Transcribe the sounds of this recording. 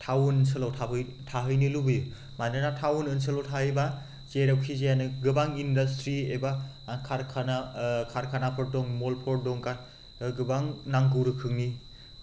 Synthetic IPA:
tʰawnsɯlawtʰabɯjtʰaɦɯjnilubɯju | manɯnatʰawnɯnsɯlawtʰahɯjba | zeɾawkʰizejanɯɡɯbaŋindɐstɾieba | kʰaɾkʰanakʰaɾkʰanapʰɔɾ̚dɔŋmolpʰɔɾ̚dɔŋkaɾ | ɡɯbaŋnaŋk̬ɯwɾɯkʰɯŋni

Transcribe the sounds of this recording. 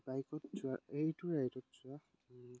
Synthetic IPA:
b̥ajkɔtzʊaejtʊɹajtɔtzʊa

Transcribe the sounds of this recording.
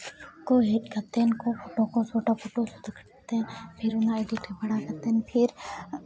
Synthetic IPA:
koɦeʈkɐɾt̪enkopʰoːʈokosoːʈapʰoːʈosʊd̪ʱkʰə̥ | t̪ẽpʰɪɾʊnaeɖɪʈbɐɽ̃akɐɾt̪enpʰɪɾ

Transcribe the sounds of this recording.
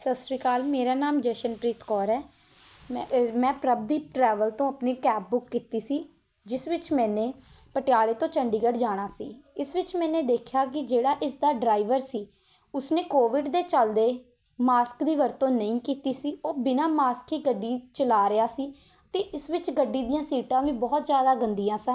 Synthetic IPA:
səsɾiːkaːlmeːɾaːnaːmd͡ʒɛːʃənpɾiːt̪kɔːɾɛː | mɛ̃ːpɾəb̚d̪iːʈɾɛːʋəlt̪õːəpneːkɛːp̚bʊkːiːt̪iːsiː | d͡ʒɪsʋɪt͡ʃmɛ̃ːneː | pəʈɪjaːleːt̪õːt͡ʃəɳɖiːɡəɖd͡ʒaːɽ̃aːsḭːɪsʋɪt͡ʃmɛ̃ːneːd̪eːkʰjaːk̬ɪd͡ʒeːɽaːʔɪsd̪aːɖɾaːɪʋəɾsiː | ʊsneːkoːʋɪɖd̪eːt͡ʃəld̪eː | maːskd̪iːʋəɾt̪õːnəĩːkiːt̪iːsiːoːbɪnãːmaːskɦiːɡəɖːiːt͡ʃəlaːɾɪaːsiː | t̪eːʔɪsʋɪt͡ʃɡəɖːiːd̪ijãːsiːʈãːʋiːbɔːt̪zjaːd̪aːɡənd̪ijãːsãː

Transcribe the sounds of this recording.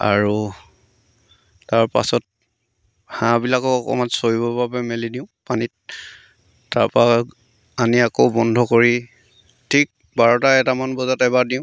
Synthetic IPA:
a̰ɹu | taɹpa̰sɔt̚ | hãbilakɔɔkɔ̰mansoɹibɔbabɛmelidiʊ̃panit̚ | taɹpɔa | aniakowbɔndʱɔkoɹi | tʰik̚ | baɹɔtaɛtamanbɔzɔtɛbadiʊ̃

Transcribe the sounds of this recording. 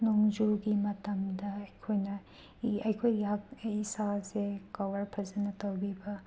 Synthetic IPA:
noŋd͡ʒuɡimɐtɐmdɐɐjkʰojnɐ | ɐjkʰojakisasekɐwɐɾpʰɐzɐnɐtɐwbibɐ

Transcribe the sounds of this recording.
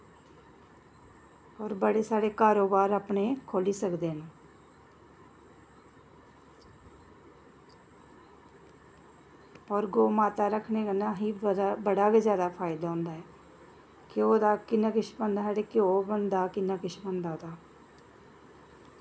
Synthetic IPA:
ɔːɾbəɽeːsaːɽeːkaːɾoːbaːɾaːpneːkʰoːliːsəkd̪eːnː | ɔːɾɡoːmaːt̪aːɾəkʰneːkənãːɦiːbəɽaːbeːzjaːd̪aːpʰaːɪd̪aːɦʊ̃nd̪aːɦɛː | kɪoːd̪aːkɪnːaːkɪʃbənd̪ɦaːɽeːkɪoːbənd̪aːkɪnːaːkɪʃbənd̪aːoːd̪aː

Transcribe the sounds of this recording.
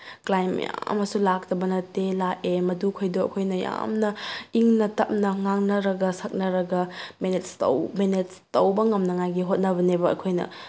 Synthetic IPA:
klajm̰ja̰ɐ̰mɐsulak̚tɐbɐnɐtelaʔemɐdukʰojduɐ̰kʰojnɐja̰mnɐiŋnɐtɐp̚nɐŋaŋnɐɾɐɡɐsɐk̚nɐɾɐɡɐmenetstɐ̰wmenetstɐwbɐŋɐmnɐŋajɡiɦot̚nɐβɐnebɐɐ̰kʰojnɐ̰

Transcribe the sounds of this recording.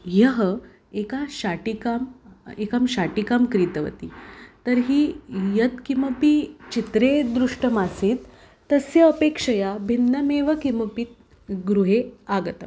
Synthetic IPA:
jəɦə | ekaɕaʈikamekamɕaʈikamkɾit̪əʋə̰t̪ḭːt̪əɾɦiːjət̪kiməpit͡ɕit̪ɾed̪ɾuʂʈəmasiːt̪ː | əsjəəpekʂəjabʱinːəmeʋəkiməpit̪̚ | ɡɾuɦeaɡət̪ə

